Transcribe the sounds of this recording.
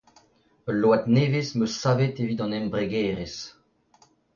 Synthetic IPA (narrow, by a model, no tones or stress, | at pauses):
əloat̪neːvesmøsaːvet̪evit̪ɑ̃nɛmbʁeɡɛːʁes